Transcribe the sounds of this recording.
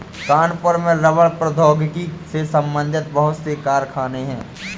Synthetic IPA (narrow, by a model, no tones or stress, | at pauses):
kaːnpəɾmẽɾɐʋəɭpɾəd̪ʱɔːɡkisesɐ̃mbə̃nd̪ʱɪt̪̚bəɦʊt̪sekaːɾkʰaːneɦɛ̰̃ː